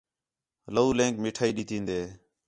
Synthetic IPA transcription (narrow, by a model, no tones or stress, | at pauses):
ləuːlẽːŋkmɪːʈʰaːiːɗiːt̪ĩːnd̪eː